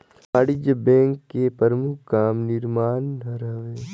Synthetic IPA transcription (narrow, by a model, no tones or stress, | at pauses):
aːɽɪd͡ʒəbɛ̃ːŋkːepəɾmʊkʰːaːmnɪɾmaːnːɐɾəʋeː